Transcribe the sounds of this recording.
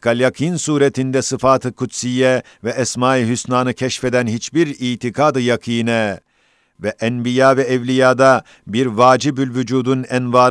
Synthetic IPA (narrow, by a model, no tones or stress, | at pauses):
kʰalʲjakʰinsuːɾet̪ʰind̪ɛsɯfaːt̪ʰɯkʰut̪sijɛ | vɛːsmaːilʲhysnaːnɯcʰɛʃfed̪ænhit͡ʃbiɾiːt̪ʰikʰaːd̪ɯjakʰɯnɛ | vɛʔɛnbijaːvɛːvlʲijaːd̪a | biɾvaːd͡ʒibylʲvyd͡ʒuːd̪unɛnvaːɾ